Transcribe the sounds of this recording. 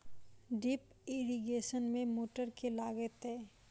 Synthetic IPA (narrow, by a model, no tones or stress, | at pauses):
ɖip | ɪɾiɡeːʃənmẽmoːʈəɾkelaːɡət̪eː